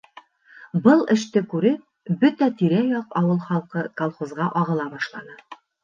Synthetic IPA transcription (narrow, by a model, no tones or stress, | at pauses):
bɤlˠɘ̆ʃt̪ɘkʉɾɘ | bɵt̪æt̪iɾæjɑqɑwɤlˠχɑlˠqɤkɐlˠχozʁɑʔɑʁɤ̆lˠɑbɑʃlˠɑnɤ